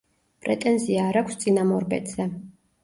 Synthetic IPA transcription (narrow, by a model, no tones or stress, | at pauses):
pʼɾɛt̪ʼɛnziaːɾakʰʷst̪sʼinamɔɾbɛ̰t̪ʰʼz̥ɛ